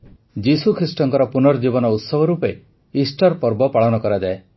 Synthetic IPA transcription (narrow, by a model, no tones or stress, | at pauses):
d͡ʒisukʰɾisʈɔŋkɔɾɔpunɔɾd͡ʒibɔnɔut̪sɔbʱɔɾupe | isʈɔɾpɔɾbɔpaɭɔnɔkɔɾad͡ʒae